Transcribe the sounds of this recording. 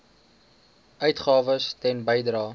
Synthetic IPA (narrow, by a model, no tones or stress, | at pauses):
ʔœɥtχɑːvəstɛnbəjdrɑː